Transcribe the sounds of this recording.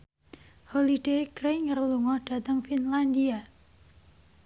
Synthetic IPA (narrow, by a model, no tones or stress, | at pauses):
holid̥ejkɾeŋərluŋɔhd̥at̪əŋfinlandia